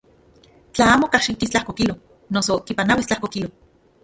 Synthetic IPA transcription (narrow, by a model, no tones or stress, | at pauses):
t͡ɬaaːmokaʃit̪ist͡ɬahkokilo | nosokipanawist͡ɬahkokilo